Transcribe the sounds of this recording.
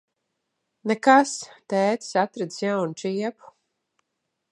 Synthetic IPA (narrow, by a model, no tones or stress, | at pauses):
nɛkast̪ɛːt̪sat̪ɾɛd̪z̥sjawnt͡ʃiɛpu̥